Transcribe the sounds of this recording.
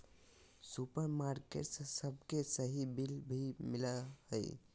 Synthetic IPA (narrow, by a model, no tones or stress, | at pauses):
supəɾmaɾkḛʈssəb̚ʱkesəɦibilbʱimiləhəɪ